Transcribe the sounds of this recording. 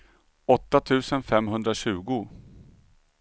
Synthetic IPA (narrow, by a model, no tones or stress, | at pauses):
ɔt̪ːat̪ʰʉ̟ːsənfɛmɦɵnd̪ɾaɕʉ̟ːɡʊ